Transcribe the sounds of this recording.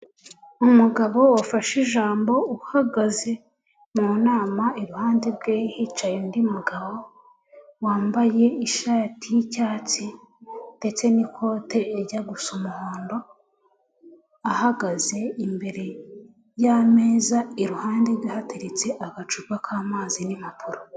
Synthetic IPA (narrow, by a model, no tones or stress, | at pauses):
umuɡaβo̞wafaʃiʒaːmbo̞uhaɡaze̞ | munaːmaiɾuhaːndeɾɡeːhit͡ʃajendimuɡaβo̞ | waːmbaje̞iʃaːtʰijicaːt͡si | nde̞t͡se̞nikʰo̞te̞ːɾɟaɡusumuhoːndo̞ | ahaɡaze̞imbe̞ɾe̞ | jameːzaiɾuhaːndeɾɡwihateɾet͡se̞ʔaɡat͡ʃuɾɡakʰaːmaːzinimapʰuɾo